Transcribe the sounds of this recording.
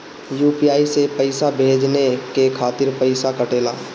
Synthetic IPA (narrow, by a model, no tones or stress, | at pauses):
juːpijaːisepəɪsabʱeːd͡ʒnekekʰaːt̪ɪɾpəɪsakəʈeːla̰ː